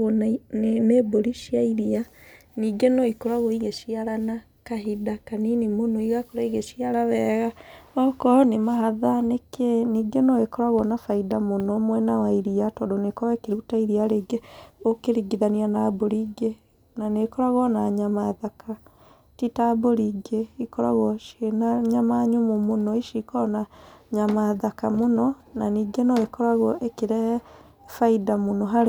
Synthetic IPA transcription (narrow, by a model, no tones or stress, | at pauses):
neboɾiʃiaiɾia | niːɡenɔikoɾaɣoiɣeʃiaɾana | kaɦidakaninimonɔiɣakoɾaiɣeʃiaɾaβɛɣaɔkɔnemaɦaðanekeniːɡenɔekɔɾaɣɔnafaidamonɔmwɛnawaiɾiatɔdonekɔɛkeɾutaiɾiaɾeːɡeokeɾiɡiðanianaːboɾiɡe | nanekɔɾaɣɔnaɲamaðakʰa | titaːboɾiɡeikɔɾa̰ɣɔʃenaɲamaɲumomonɔiʃikɔnaɲamaðakamonɔnaniːɡenɔekɔɾaɣɔʔekeɾɛ | faidamonɔɦaɾ